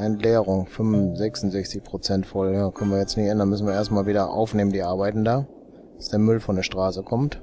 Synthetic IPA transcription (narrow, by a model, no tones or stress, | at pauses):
ʔɛntlɛːʁʊŋfʏmzɛksn̩zɛçt͡sɪçpʁ̥ot͡sɛntfɔljaːkʰœnənviɐjɛt͡stnɪçʔɛndanmʏsn̩viːɐeːɐstmaːlviːdɐʔa̰ʊfneːməndiːʔaɐbaɪtn̩dḁː | ḁsd̥eːɐmʏlfɔndeːɐʃtʁ̥aːsəkʰɔmt